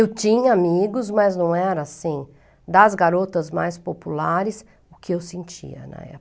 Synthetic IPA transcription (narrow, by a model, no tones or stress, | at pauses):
ewt͡ʃĩɲɐamiɡʊzmɐznɐ̃w̃ɛɾɐːsĩ | d̪ɐzɡaɾot̪ɐzma̰jspopulaɾɪs | ʊkʰɪewsẽnt͡ʃḭɐ̰nɐ̰̃ɛ̰